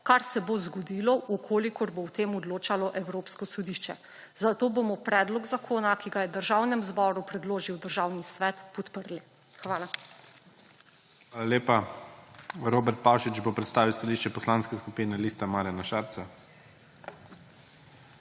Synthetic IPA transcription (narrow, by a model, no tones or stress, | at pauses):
kaɾsɛbozɡɔd̪iːlɔʔukʰoːlikɔɾbowt̪eːmɔd̪loːt͡ʃalɔʔɛwɾoːpskɔsɔd̪iʃt͡ʃɛ | zat̪oːbomɔpɾɛːd̪lɔɡzakʰoːnakiɡajɛd̪əɾʒawnɛmzbɔːɾupɾɛd̪loːʒiwd̪əɾʒawnisʋɛːt̪pɔt̪pəɾli | xʋaːla | xʋaːlalʲeːpa | ɾoːbɛɾt̪̚paːwʃit͡ʃbopɾɛt̪st̪aːʋiwst̪aliʃt͡ʃɛpɔslaːnskɛskupiːnɛliːst̪amaːɾjanaʃaːɾt̪sa